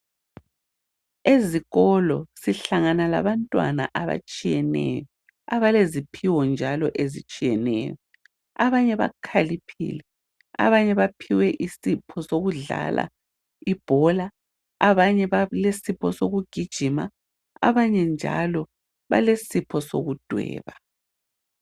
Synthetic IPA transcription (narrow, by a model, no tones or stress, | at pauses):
eziɣɔlɔsiɬaŋanala̰βantʼwa̰na̰ʔaβa̰t͡ʃʼijɛnɛ̰jɔ | aβalezipʰiwɔnd͡ʒʱalɔʔezit͡ʃʼijɛnɛ̰jɔ | aβaɲɛβa̰kʰalipʰḭlɛ | a̰βaɲɛβapʰiwɛʔisipʰɔsoɣuɮa̰lʔa̰ | ib̥ʱɔla | aβaɲɛβalesipʰɔsoɣuɡ̥ʱid̥ʒ̥ʱima̰ | a̰βaɲɛnd͡ʒʱa̰lɔ | βa̰lesipʰɔso̰ɣud̥ʱwɛ̰ːβa